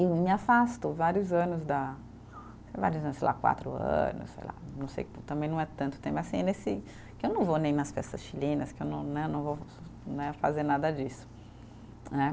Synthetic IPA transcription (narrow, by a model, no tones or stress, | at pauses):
ɪmiafast̪ʊvaɾjʊzɐ̃nʊzd̪ɐ | seva̰ɾiʊzɐ̃nʊsejla̰kwa̰t̪ɾʊ̰ɐ̰̃nʊ̰ssḛjla̰nɐ̃w̃sḛjt̪ɐ̃mbẽj̃nɐ̃w̃ɛt̪ɐ̃nt̪ʊ̥t̪ẽmpasĩnesɪ | kɪewnɐ̃w̃vonẽj̃nɐsfɛ̰sɐsʃilĩnɐskɪewnɐ̃w̃nɛnɐ̃w̃vownɛfa̰zeɾnad̪ɐd͡ʒisʊ̥ | nɛ